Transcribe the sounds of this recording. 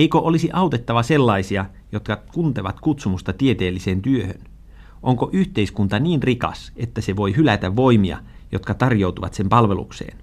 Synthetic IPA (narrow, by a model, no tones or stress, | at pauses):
eikoʔolisiʔɑut̪et̪ːɑʋɑse̞lːɑisiɑ | jo̞t̪kɑkunt̪eʋɑt̪kut̪sumust̪ɑt̪iet̪eːlːiseːnt̪yøhøn | ʔoŋkoʔyht̪e̞iskunt̪ɑniːnrikɑ̰se̞t̪ːæseʋo̞iɦylæt̪æʋːo̞imiɑ̰ | jo̞t̪kɑt̪ɑrjo̞uwt̪uʋɑ̰t̪se̞mpɑlʋe̞lṵksḛːn